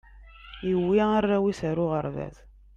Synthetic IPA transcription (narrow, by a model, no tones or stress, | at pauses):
iwːiərːæwisəɾʊʁəɾvæ̰ð